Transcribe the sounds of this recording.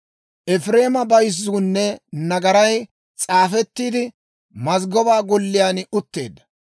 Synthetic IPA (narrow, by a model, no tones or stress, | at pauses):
ʔɛfɾe̞ːmɐbɐjzːuːnːɛnɐɡɐɾɐj | t͡sʼaːfɛt̪ːiːd̪ɪ | mɐzɡɔbaːɡɔlːɪjaːnʊt̪ːe̞̰ːd̪ːɐ̥